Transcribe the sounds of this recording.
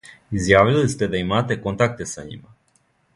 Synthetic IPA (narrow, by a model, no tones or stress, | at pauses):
izjaːvilist̪e̞d̪aimaːt̪ekont̪ak̚t̪esaɲḭma